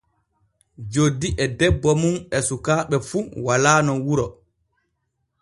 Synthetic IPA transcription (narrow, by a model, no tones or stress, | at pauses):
d͡ʒodːiʔɛdɛbːɔmunɛsukaːɓɛfuwalaːnɔwuɾɔ